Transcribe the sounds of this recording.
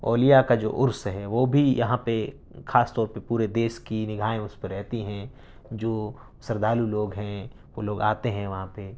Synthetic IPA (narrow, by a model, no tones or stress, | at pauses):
oːlijakad͡ʒo̰ːʔʊɾsɦɛʋoːbʱijɐɦãpe | xaːst̪ɔːɾpepuːɾed̪eːʃkinɪɡʱaːẽʊspɐɾɛɦt̪iɦɛ̃ | d͡ʒoː | sɐɾd̪aːluloːɡɦɛ̃ | ʋoloːɡaːt̪eɦɛ̃ʋɐɦãpe